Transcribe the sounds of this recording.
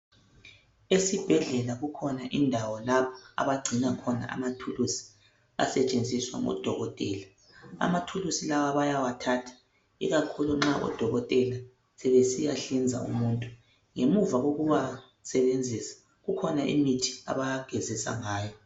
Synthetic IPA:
esib̥ʱɛɮɛlaɣukʰɔnaʔindʱawɔlaβɔa̰βaɡ͡ǀʱinakʰɔna̰ʔa̰matʰulusi̥ | a̰sɛt͡ʃʼend͡zʱiswa̰ŋɔ̰d̥ʱɔɣɔtʼɛːla | a̰matʰulusilawaβajawatʰaːtʰḁ | ḭɣakʰuluŋ͡ǁaʔɔ̰d̥ʱɔɣɔtʼɛla | sɛβesijaɬind͡zʱa̰ṵmuːntʼu | ŋemuvaɣoɣuβa | sɛβend͡zʱisḁ | ɣukʰɔnaʔḭmitʰi̥a̰βajaɡ̥ʱɛzisa̰ŋaːjɔ

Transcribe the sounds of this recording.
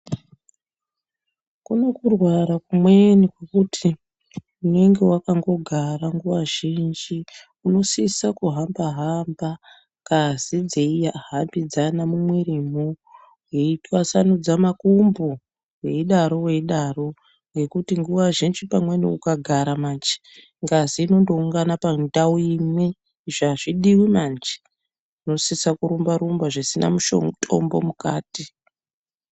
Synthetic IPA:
kuno̞kurwaɾakumwe̞nikwekutʰi | une̞ŋɡe̞wakaŋɡo̞ɡʱaɾaŋɡuʋaʒind͡ʒi | uno̞sisakuɦambaɦamba | kazid͡ze̞ijaɦambid͡zanamumwerimu | weitwasanud͡zamakumbu | weɗaɾo̞we̞ɗaro̞ | ŋɡe̞kutiŋɡuʋaʐinʐipamweniukaɡʱaɾamant͡ʃi̥ | ŋɡaziːno̞ndo̞uŋɡanapadauimwi | ʐaʐiɗiwimand͡ʒi̥ | no̞sisakuɾumbaɾumbaʐisina̰muʃo̰ŋtʰo̞̰mbo̞̰mukaːti

